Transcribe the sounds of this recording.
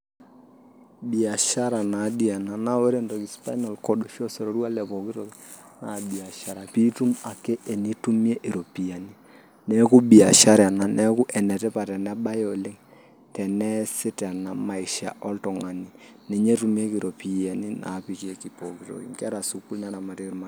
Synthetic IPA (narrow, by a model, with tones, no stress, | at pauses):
bi˨a˨ʃa˦ɾa˨na˨˦di˦a˨na˨na˦wɛ˦ɾe˦ndɔ˨ki˨spa̰˦i˦nɔ˨lkɔ˦ɗo˨ʃɔ˦sɔ˨ɾo˨ɾu˦a˦lɛ˨pɔ˨ki˦tɔ˨ki | na˨bi˨a˨ʃa˨ɾa˨pi˦tu˦ma˨kɛ˦ʔe˨ni˦tu˦mje˦ʔe˨ɾo˨pi˨a˨ni˦ | nɛ˦ku˦bi˨a˨ʃa˦ɾa˨na˨nɛ˦kʊ˦ʔɛ˨nɛ˨tɛ˦pa˨tɛ˨nɛ˦ɓa˦jɔ˨lɪ˦ŋ | tɛ˨nɛ˦sɪ˦tɛ˨na˨ma˨i˨ʃa̰˨ʔɔ˦ltɔ˨ŋa˨ni˨ | ne˨ɲe˦tu˦mi˦e˦ki˨ɾo˨pi˨a˨ni˦na̰˨pi˨ke˦ki˨pɔ˨ki˦tɔ̰˨kḭ˨ŋkɛ˦ɾa˨su˨ku˦lna˦na˨ma˨ti˦ɾma˦